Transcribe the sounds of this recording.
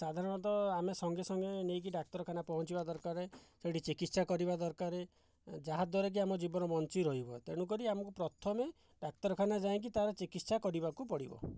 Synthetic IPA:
sad̪ʱaɾɔnɔt̪ɔamesɔŋɡesɔŋɡenek̬iɖak̚t̪ɔɾɔkʰanapɔɦɔ̃t͡ʃibad̪ɔɾkaɾeseʈit͡ʃikit̪sakɔɾibad̪ɔɾkaɾe | d͡ʒaɦad̪wɔɾek̬iamɔd͡ʒibɔnɔmɔnt͡ʃiɾɔɦibɔt̪eɽ̃uk̬ɔɾiamɔkupɾɔt̪ʰɔme | ɖak̚t̪ɔɾɔkʰanad͡ʒaẽk̬it̪aɾɔt͡ʃikit̪sakɔɾibakupɔɽibɔ̰

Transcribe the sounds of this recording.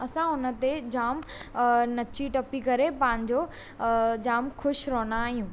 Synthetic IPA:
ɐsãʊnə̆t̪ed͡ʑaːm | nɐt͡ɕiʈɐpikɐɾepãːɪ̃ɲd͡ʑo | d͡ʑaːmkʰʊʃɾoːnaːɦijũː

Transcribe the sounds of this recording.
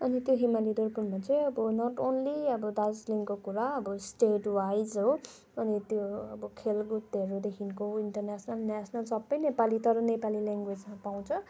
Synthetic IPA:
ʌnit̪joɦimalid̪oɾpunmat͡seʌbʌnʌʈonliʌbʌd̪ad͡zliŋkokuɾaʌbʌsʈeʈwajd͡zɦo | ʌnit̪joʌbʌkʰelɡut̪eɾod̪ekʰinkoiɳʈʌrnasʰnʌlnasʰʌnalsʌbːʌjnepalit̪ʌɾʌnepalilaŋɡwed͡zmapaw̃t͡sʰʌ

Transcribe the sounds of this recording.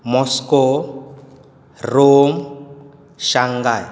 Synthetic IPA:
mɔskɔ | rom | ʃaŋɡaj

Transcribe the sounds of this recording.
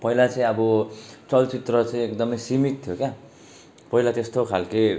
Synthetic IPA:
pʌilat͡saĩʌbʌt͡sʌlt͡sit̪rʌt͡saĩekd̪ʌmʌjsimit̪t̪ʰjokja | pʌilat̪est̪okʰalki

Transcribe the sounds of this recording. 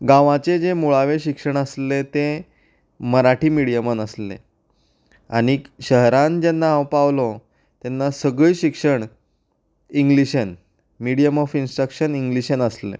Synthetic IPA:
ɡãʋãt͡sed͡zemuɭaʋeɕikʂəɳ̃əslet̪e | məɾaʈʰiːmiɽijəmənəslḛ | aɽ̃iɕəɦɾãnd͡ʑenːaːwpaʋlɔ | t̪enːasəɡɭiːɕikʂəɳ | iŋɡliɕən | miɽijəmɔfinsʈɾəkɕəniŋɡliɕənəslḛ

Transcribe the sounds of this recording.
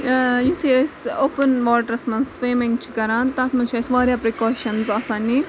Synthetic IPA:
jut̪ʰiesoːpənʋaːʈɐɾɐsmɐnsʋeːmẽŋɡt͡ʃʰikɐɾãːnt̪aːt̪ʰmɐt͡ʃʰiesʋaːɾjaːpɾikoːʃɐnzɐsaːnːi

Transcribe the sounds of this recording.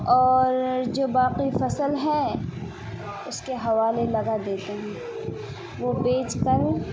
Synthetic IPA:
ɔːɾd͡ʒoːbaːqifɐsəlɦɛ | ʊskeɦɐʋaːlelɐɡad̪eːt̪eɦɛ̃ː | ʋopeːt͡ʃkɐɾẽ

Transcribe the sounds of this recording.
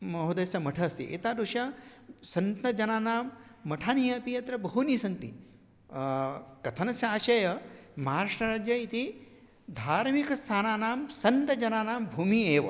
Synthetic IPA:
mɐɦud̪ɐsɐmɐʈʰɐːst̪ḭʔḛt̪aːd̪uʃɐsɐnt̪ɐd͡ʒɐnaːnaːmːɐʈʰaːnijɐpijɐt̪ɾɐbɐɦunisɐnt̪ḭ | kɐt̪ʰɐnɐsjaːʃɐjɐmɐɦaːɾaʂʈɐɾaːd͡ʒjɐit̪i | d̪ʱaːɾmikɐst̪ʰaːnaːnaːmsɐnt̪ɐd͡ʒɐnaːnaːmbʱuːmieːʋɐ̰

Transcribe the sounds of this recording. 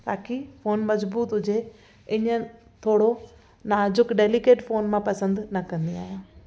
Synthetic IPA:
t̪aːkifoːnmɐzbuːt̪ɦʊd͡ʑe | ɪɲə̆ | t̪ʰoːɽo | naːd͡ʑʊkɖeːlikeːʈfoːnmãpɐsə̃nd̪nɐkɐ̃nd̪ia̰ːɦjãː

